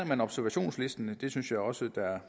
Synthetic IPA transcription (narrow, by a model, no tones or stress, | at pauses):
ɐmænɒ̽b̥sæɐʋæɕo̝̰ːnsle̝sd̥ənəd̥e̝synsjɑ̈ɪɒ̽səd̥æ